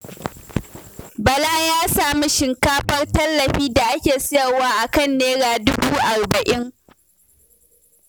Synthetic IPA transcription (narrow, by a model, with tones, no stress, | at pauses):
bɐ˨la˦˨jaː˦saː˨mi˦ʃɪ˨ŋkaː˦ɸɐ˦rtɐ˦lːɐ˨ɸiː˦da˨ʔa˦kʲeː˨sʊ˦jɐ˨waː˦ʔa˨kɐ˦˨nːeː˦ɽaː˨dʊ˦buː˦ʔa˨rbɐ˨ʔɪ˦ŋ